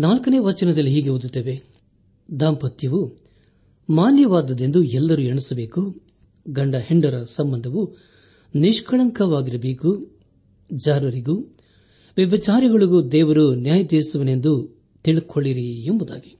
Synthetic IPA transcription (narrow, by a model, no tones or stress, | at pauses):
naːlkɐneːʋɐt͡ʃɐnɐd̪ɐlːiɦiːɡeud̪ut̪ːeːʋe | d̪aːmpɐt̪jɐʋu | maːnjɐʋaːd̪ɐd̪e̞nd̪uɛlːɐɾueɳisɐbe̞ːku | ɡɐɳɖɐheɳɖɐɾɐsɐmbɐnd̪ʱɐʋu | niʂkɐɭɐŋkɐʋaːɡiɾɐbeːku | d͡ʒaːɾɐɾiɡu | ʋɐbɐt͡ʃaːɾiɡɐɭiɡud̪ɛːʋɐɾunjaːjɐd̪eːsuʋɐne̞nd̪u | t̪iɭkʰoɭːiɾiembud̪a̰ːɡi